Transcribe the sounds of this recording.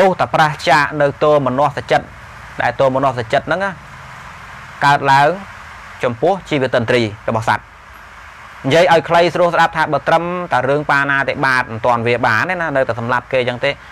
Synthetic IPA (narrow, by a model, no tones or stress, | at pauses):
t̪uht̪apraht͡ɕaʔnɨwt̪oːmɔnŏəhsat͡ɕət̪̚ | ɗaɛlt̪oːmɔnŏəhsat͡ɕət̪̚nɨŋʔaːh | kaət̪̚laəŋ | t͡ɕɑmpʊ̆əht͡ɕiːʋiət̪ːənt̪riːrɔɓɑhsa̰t̪̚ | nĭjiəjʔaɔjkʰləjsruəlsɗap̚t̪ʰaːɓəːt̪rəmt̪aərɨəŋpaːnaːt̪eːɓaːt̪̚mɨnt̪ŏənʋiəɓaːnːenanɨwt̪asɑmlap̚keːjəːŋt̪eː